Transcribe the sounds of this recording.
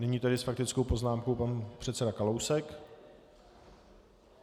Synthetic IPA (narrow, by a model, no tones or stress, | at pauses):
nɛɲiːt̪adɪsfak̚t̪ɪt͡skowpo̞znaːmkowpanpr̥ɛt̪t͡sɛdakalowsɛk